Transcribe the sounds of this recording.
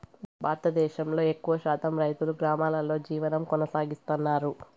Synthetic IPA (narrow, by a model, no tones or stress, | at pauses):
baːɾt̪ɐd̪ɛːʃɐmlo̞ːe̞kːuʋɐʃaːt̪ɐmɾɐjt̪uluɡɾaːmaːlɐlo̞ːd͡ʒiːʋɐnɐmkɔnɐsaːɡist̪unːaːɾu